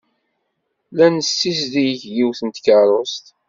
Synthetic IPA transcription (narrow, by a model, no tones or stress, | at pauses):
lænəsːis̬ðijəçjiwθənt̪kəɾˤost̪